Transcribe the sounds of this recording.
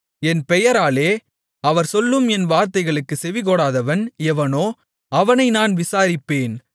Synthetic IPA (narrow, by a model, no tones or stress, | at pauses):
ɛnpɛjɐɾaːleː | ɐʋɐɾsɔlːɯmɛnʋaːɾt̪ɐɪɣɐɭɯkːɯsɛʋɪkɔɽaːðɐʋɐnɛʋɐnoː | ɐʋɐnɐɪnaːnʋɪsaːɾɪpːeːn